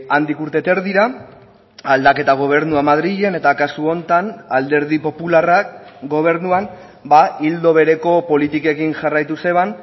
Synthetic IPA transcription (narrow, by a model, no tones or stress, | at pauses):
and̪ikuɾt̪e̞t̪e̞ɾðiɾa | ald̪ake̞t̪aɣ̞o̞β̞e̞ɾnuamaðɾiʝe̞ne̞t̪akasuo̞nt̪anald̪e̞ɾð̞ipo̞pularakɡo̞β̞e̞ɾnuan | baild̪o̞βe̞ɾe̞ko̞po̞lit̪ike̞kinʝarajt̪use̞β̞an